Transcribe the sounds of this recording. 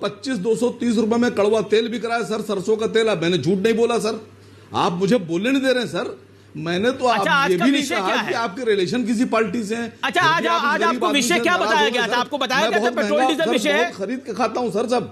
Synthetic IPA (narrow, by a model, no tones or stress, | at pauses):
pɐtːʃis̬d̪oːsɔt̪iːs̬ɾʊp̬emẽkɐɭʋat̪eːlbʱikɐɾaɛsɐɾsɐɾsõkat̪eːlaːpmɛ̃ːned͡ʒʱuːʈnɐɦĩboːlas̬ɐɾ | a̰ːpmʊd͡ʒʱeboːlɪɽ̃d̪eːɾeɛ̃sɐɾ | mɛ̃ːnet̪oaːajeːinɐĩkɐɦakiaːp̚keɾeleːʃənk̬ɪs̬ipaːɾʈis̬eɦɛ̃ɐːʃʰaaːkiːkːaːipoaɾɪĩẽkjabɐaajoɡasɐɾːpkobɐt̪ajaɛ̃bɐɦʊt̪̚ɛɦsɐʃɔɦʊt̪xɐɾiːd̪̚kekʰaːt̪aɦũsɐɾs̬ɐb